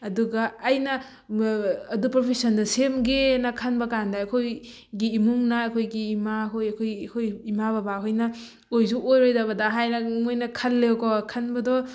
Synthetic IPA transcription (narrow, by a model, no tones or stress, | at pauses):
ɐduɡɐːjnɐ | dupɾopʰesɔndɐsemɡenɐkʰɐnbɐkandaɐkʰoj | ɡiːmuŋnɐːkʰojɡiːmakʰojɐkʰojkʰojimaβabakʰojnɐ | ojsuʔojɾojdɐβɐdaɦajnɐŋojnɐkʰɐlːewkɔkʰɐnbɐdɔ